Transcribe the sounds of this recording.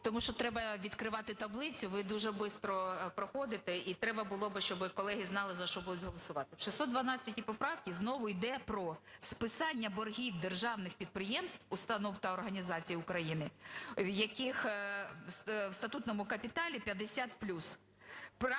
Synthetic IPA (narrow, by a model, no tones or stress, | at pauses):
t̪ɔmuʃt͡ʃɔt̪ɾɛbɐʋʲid̪kɾɪʋɑt̪ɪt̪ɐblˠɪt͡sʲʊʋɪd̪uʒɛbɪst̪ɾɔpɾɔxɔd̪ɪt̪ɛit̪ɾɛbɐbʊlˠɔbɪʃt͡ʃɔbɪkɔlˠɛɦʲiznɑlˠɪzɐʃt͡ʃɔbud̪ʊtʲɦɔlˠɔsʊʋɑt̪ɪwʃɪsɔd̪ʋɐnɑt͡sʲːɐtʲipɔpɾɑwkʲiznɔʋʊjd̪ɛpɾɔspɪsɑnʲːɐbɔrɦʲiwd̪erʒɑwnɪxpʲid̪̚pɾɪjɛmst̪wʊst̪ɐnɔwt̪ɐːrɦɐnʲizɑt͡sʲijiʊkɾɐjinɪjɐkɪx | wst̪ɐt̪ut̪nɔmʊkɐpʲit̪ɑlʲipʲjɐd̪esʲat̪plʲus | p